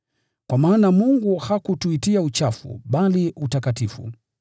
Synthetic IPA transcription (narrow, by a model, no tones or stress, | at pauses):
kwamaːnamuŋɡuhakutuitiaut͡ʃafṵɓaliʔutakatifṵ